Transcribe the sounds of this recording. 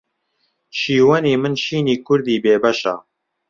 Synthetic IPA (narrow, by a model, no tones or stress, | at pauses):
ʃiːwɐniːmɨnʃiːniːkʰʊɾd̪iːbeːbɐʃa̰ː